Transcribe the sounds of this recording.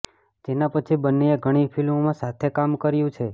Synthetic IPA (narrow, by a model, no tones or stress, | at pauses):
d͡ʒenãpət͡ʃʰibənːeeɡʱəɽ̃ipʰilmomãsat̪ʰekamkəɾjũt͡ʃʰe